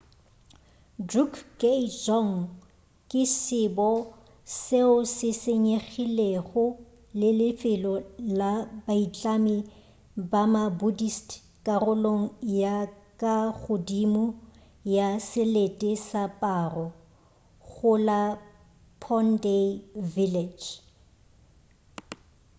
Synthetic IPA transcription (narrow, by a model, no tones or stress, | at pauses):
drukʰked͡ʒɔŋ̩ | kʼɪsɪbɔ | seʊsɪseɲeɣileɣʊ | lɪlɪfɪlɔlabait͡ɬʼamɪ | bamabudistʰ | kʼarʊloŋ̩jakʼaɣʊdimʊ | jasɪletʼɪsapʼaːrɔ | ɣʊla | pʰɔndeviled͡ʒ